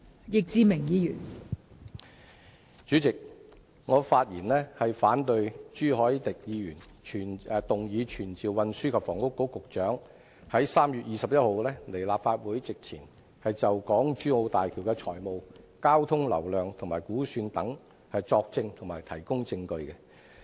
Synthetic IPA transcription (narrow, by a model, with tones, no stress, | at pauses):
jɪ˨k̚t͡siː˨˧mɪ˨˩ŋjiː˨˧jyː˨˩n | t͡syː˨˥t͡sɪ˨k̚ | ŋɔː˨˧faː˧t̚jiː˨˩nlɛː˥hɐ˨jfaː˨˥nt̪ɵ˧ɥt͡ʃyː˥ɦɔː˨˥jt̪ɪ˨k̚jiː˨˧jyː˨˩n | t͡ʃʰyː˨˩nː˨˧t̪ʊ˨ŋjiː˨˧t͡ʃʰyː˨˩nt͡siː˨wwɐ˧nsyː˥kʰɐ˨pfɔː˨˩ŋkʊ˥kːo˨˥kʊ˨k̚t͡ʃœː˨˥ŋ | hɐ˨˥jsaː˥mjyː˨t̚jiː˨sɐ˨p̚jɐ˥t̚ho˨wlɛː˥le˨˩jlaː˨p̚faː˧t̚wuː˨˥jt͡sɪ˨k̚t͡sʰḭː˨˩n | hɐ˨jt͡sɐ˨wkɔː˨˥ŋt͡ʃyː˥ŋo˧wt̪aː˨jkʰiː˨˩wkɛ˧t͡ʃʰɔː˨˩jmo˨w | kaː˥wt̪ʰʊ˥ŋlɐ̰˨˩wlœː˨ŋt̪ʰʊ˨˩ŋmaː˨˩jkuː˨˥syː˧nt̪ɐ˨˥ŋ | hɐ˨jt͡sɔː˧k̚t͡sɪ˧ŋt̪ʰʊ˨˩ŋmaː˨jt̪ʰɐ˨˩jkʊ˥ŋt͡sɪ˧ŋkɵ˧ɥkɛ˧